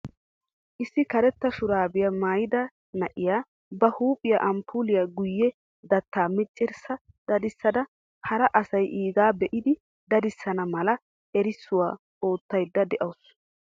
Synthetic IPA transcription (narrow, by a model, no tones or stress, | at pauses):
ʔɪsːɪkɐɾɛt̪ːɐʃʊɾaːbɪjɐmaːjɪd̪ɐ | nɐʔɪjaː | bɐhuːpʼɪja̰ʔɐmpʰuːlɪjaːɡʊjːɛ | d̪ɐt̪ːaːmɪt͡ʃʼːɪɾsɐ | d̪̥ɐd̪ɪsːɐd̪ɐ | hɐɾɐʔɐsɐjʔiːɡaːbɛʔɪd̪ɪ | d̪ɐd̪ɪsːɐnɐmɐlɐ | ɛɾɪsːʊwaː | ʔo̞ːt̪ːɐjd̪ːɐd̪ɛʔɐws